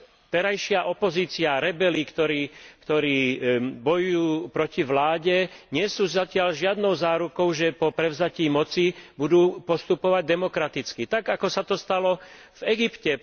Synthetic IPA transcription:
t̪ɛɾajʃɪaʔɔpɔziːt͡sɪaɾɛbɛlikt̪ɔɾiːkt̪ɔɾiːbɔjujuːpɾɔciʋlaːɟɛɲɪɛsuːʒacɪaʎʒɪad̪nɔʊzaːɾukɔʊʒɛpɔpɾɛʊzaciːmɔt͡sibud̪uːpɔst̪upɔʋaɟ̚d̪ɛmɔkɾat̪it͡skit̪aɡakɔsat̪ɔst̪alɔ | vɛɡipcɛ

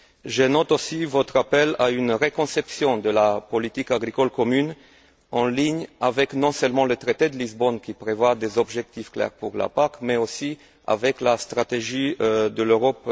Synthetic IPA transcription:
ʒənɔt̪osivɔt̪ʁapɛlaynʁekɔ̃sɛpsjɔ̃d̪əlapɔlit̪ikaɡʁikɔlkɔmyn | ɑ̃liɲavɛknɔ̃sœlmɑ̃lət̪ʁet̪ed̪əlizbɔnkʲipχevwad̪ezɔbʒɛk̚t̪ifklɛ̰ʁpuʁla̰pakmɛosi | a̰vɛklast̪ʁat̪eʒid̪əløʁɔp

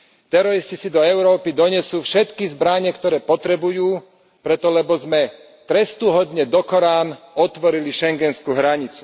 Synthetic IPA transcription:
t̪ɛɾɔɾiscisid̪ɔɛʊɾɔːpid̪ɔɲɛsuːfʃɛt̪kizbɾaɲɛkt̪ɔɾɛːpɔt̪ɾɛbujuː | pɾɛt̪ɔlɛbɔzmɛ | t̪ɾɛst̪uɦɔd̪ɲɛd̪ɔkɔɾaːnɔt̪ʋɔɾiliʃɛŋɡɛnskuɦɾaɲit͡su̥

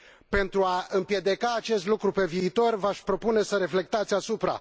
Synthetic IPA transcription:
pe̞nt̪ɾuaɨmpje̞d̪e̞kaːt͡ʃe̞st̪lukɾupe̞viːt̪o̞rvaʃʲpɾo̞pune̞səɾe̞fle̞k̚t̪at̪sʲasupɾa̰

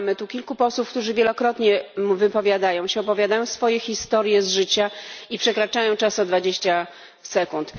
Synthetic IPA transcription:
mɘt̪ukʲilkupɔswufkt̪uʐɘvʲjɛlɔkɾɔt̪ɲɛmvɘpɔvʲjad̪ajɔ̃w̃ɕɛɔpɔvʲjad̪ajɔ̃w̃sfɔjɛxʲist̪ɔɾjɛzʐɘt͡ɕaipʂɛkɾat͡ʂajɔ̃w̃t͡ʂasɔd̪vad͡ʑeɕt͡ɕa | sɛkunt̪

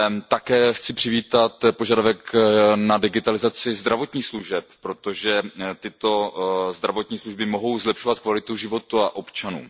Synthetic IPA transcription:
t̪akɛːxt͡sɪpr̝̥ɪviːt̪at̪po̞ʒadavɛknadɪɡɪt̪alɪzat͡sɪzd̪ɾavo̞t̪ɲiːxsluʒɛppːɾo̞t̪o̞ʒɛt̪ɪt̪o̞zd̪ɾavo̞t̪ɲiːsluʒbɪmo̞ɦo̞wzlɛpʃovat̪kvalɪt̪uʒɪvo̞t̪uaʔo̞pt͡ʃanṵː

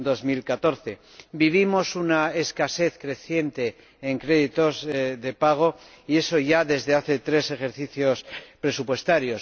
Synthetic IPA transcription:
d̪o̞zmilkat̪o̞ɾθe̞ | biβ̞imo̞sunaeskase̞θkɾe̞θje̞nt̪e̞ː | ŋkɾe̞ðit̪o̞zðe̞paɣ̞o̞ | ie̞so̞ʝaðe̞zðe̞aθe̞t̪ɾe̞se̞xe̞ɾθiθjo̞spɾe̞supwe̞st̪aɾjo̞s

